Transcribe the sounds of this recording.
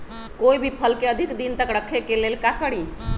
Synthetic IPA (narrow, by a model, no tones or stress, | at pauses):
koibʱipʰəlkeəd̪ʱikd̪int̪əkɾəkʰekelelkakəɽi